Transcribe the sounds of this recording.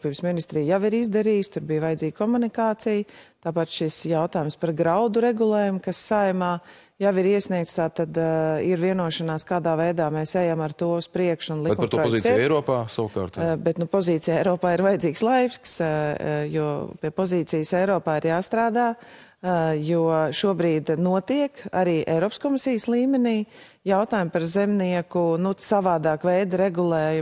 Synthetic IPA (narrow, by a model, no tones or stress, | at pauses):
piːbsminist̪ɾiːjaʋiɾizd̪aɾiːst̪ʊɾbijʋvajd̪ziːɡ̥̚kɔmunikaːt̪sijt̪aːpat̪ʃisjawt̪aːjumspaɾɡɾaʊd̪uɾɛɡulˠɛːjumkasːajmaː | jaʋiɾiɛsniɛk̚t̪st̪aːt̪ad̪iɾviɛnuɔʃanaːskaːd̪aːvɛjd̪aːmɛːsɛjamaɾt̪uɔuspɾiɛkʃʊnlˠitkʊmːpːɐɾt̪uːɾɔpɔɔziːt̪iɛjɾoɔpaːsaʋka̰ɾt̪bɛt̪nupɔziːt̪sijɛjɾɔːpaːiɾvajd̪iːkslˠajks | juɔpiɛpɔziːt̪sijsɛjɾɔːpaːiɾjaːst̪ɾaːd̪aː | juɔʃuɔbɾiːd̪nuɔt̪iɛka̰ɾiːʔɛ̰jɾɔːpskɔmisijslˠiːmɛniː | jawt̪aːjumpaɾzɛmniɛkunusaʋaːd̪aːkvɛjd̪ɾɛɡulˠɛːj